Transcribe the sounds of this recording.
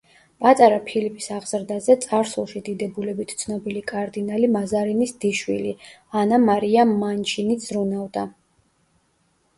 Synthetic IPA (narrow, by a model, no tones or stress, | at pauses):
pʼat̪ʼaɾapʰilipʰʼisaʁz̥ɾd̪azɛt̪sʼaɾsulˠʃid̪id̪ɛbulɛbit̪ʰt̪sʰnɔbilikʼaɾd̪inalimazaɾinisd̪̥iʃwḭlianamaɾiamːant͡ʃʰinid̪z̥ɾunavd̪a